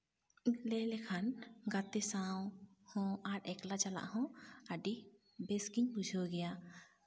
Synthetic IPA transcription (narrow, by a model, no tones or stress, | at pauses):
lɛlɛkʰanɡat̪ɛsawhɔ̃aɾɛklat͡ʃala̰ʔhɔ̃aɖi | bɛskiɲbud͡ʒʱɔɡɛja